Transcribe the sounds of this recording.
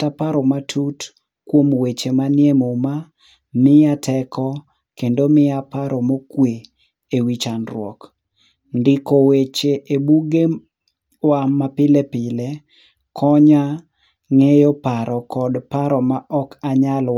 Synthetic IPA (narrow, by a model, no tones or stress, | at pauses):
tapaɾɔmatʰut | kwomwet͡ʃemanjemoma | mɪjatʰɛkʰɔ | kendomɪapaɾɔmokwe | ewit͡ʃanɾwɔ̰k | ndɪkowet͡ʃeʔebuɡe | wamapɪlepɪle | kʰɔɲa | ŋejɔpaɾɔkɔdpaɾɔmaʔɔkaɲalw